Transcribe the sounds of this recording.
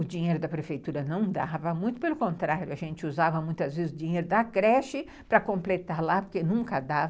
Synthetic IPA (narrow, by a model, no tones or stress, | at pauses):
ʊd͡ʒĩɲejɾʊd̪ɐpɾefejt̪uɾɐnɐ̃w̃d̪avɐmũj̃t̪ʊpelʊkõnt̪ɾaɾjʊɐʒẽnt͡ʃɪuzavɐmũj̃t̪ɐzvezɪzʊd͡ʒĩɲejɾʊd̪ɐkɾɛʃɪ | pɾɐkõplet̪aɾlapoɾkenũŋkɐd̪avɐ